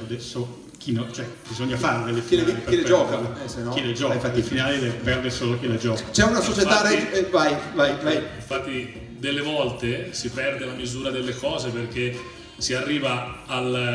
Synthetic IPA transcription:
rd̪eso | k̟ʰinot͡ʃoɛb̥izoɲːafaɾed̪elːekilepeiled͡ʒɔːkanosenkilːed͡ʒɔiɱfat̪ːifinaːlilepɛrd̪esolok̟ilːed͡ʒɔːkat͡ʃɛunasot͡ʃet̪aɾevajvajvajiɱfat̪ːi | d̪elːevɔlt̪esipɛrd̪elamizuːɾad̪elːekʰɔːzeperke | siarːiːvaːl

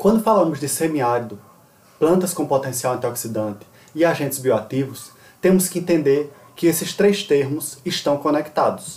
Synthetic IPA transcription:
kwɐ̃nd̪ʊfalɐ̃mʊzd̪ɪsẽmiaɾid̪ʊ | plɐ̃nt̪ɐskõpɔt̪ẽsiawɐ̃nt̪iɔksid̪ɐ̃nt̪ɪ̥ | ɪaʒẽnt̪ɪzbioat̪ivʊs | t̪ẽmʊskɪẽnt̪ẽnd̪eɾ | kɪesɪst̪ɾejst̪eɾmʊsɪʃt̪ɐ̃w̃kõnɛkt̪ad̪ʊs

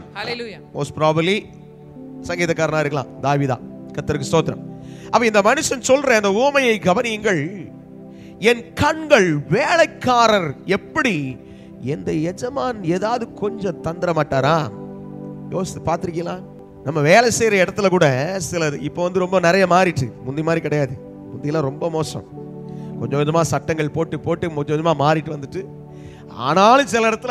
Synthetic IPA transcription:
heljamoːspɾaːbɐɾli | sɐŋɡiːðɐkːaːɾɐnãːɪɾɯkːɐlã̰ːd̪aːʋiːða̰ːkɐt̪ːɐɾɯkːɯsoːt̪ːɪɾɐ̰mɐpːɐ̃ɪnd̪ɐmɐnɯʂɐnsɔlɾɐɪnd̪ɐuːmɐjɐɪɡɐʋɐnɪŋɡɐɭ | ɛnkɐɳɡɐɭʋeːlɐɪkːaːɾɐɾɛpːɐɽi | ɛnd̪ɐjɛd͡ʒɐmaːneːðaːʋɐðɯkɔɲd͡ʒɔ̃t̪ɐnd̪ɪɾɐmaːʈːaːɾãː | joːsʈːɯpaːɾt̪ɪɾɪkːɪŋɡɐlãː | nɐmːɐʋeːlɐsɛːjɾɐɪɽɐt̪ːɪlɐkuːɽɐsɪlɐɪpːoːʋɐnd̪ɯɾɔmbɐnɪɾɐjɐmaːɾɪʈːɯmʊnd̪ɪmaːd̪ɾikɪɽɐjaːðɯ | mʊnd̪ɪjɪlãːɾɔmbɐmoːsɐ̰̃m | kɔɲd͡ʒɐkːɲd͡ʒɐmaːsɐʈːɐŋɡɐɭpoːʈːɯpːoːʈːɯmɔɲd͡ʒɔkːɔd͡ʒɐmaːmaːɾɪʈːɯʋɐnd̪ɯʈːɯ | a̰ːnaːlɯ̃sɪlɐɪɽɐt̪ːɪl

